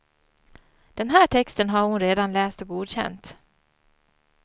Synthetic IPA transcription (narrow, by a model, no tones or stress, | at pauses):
d̪̥ɛnɦæːʈʰɛkst̪ənɦaɾhʊnɾeːd̪anlɛːst̪ɔɡuːd̪ɕɛ̰nt̪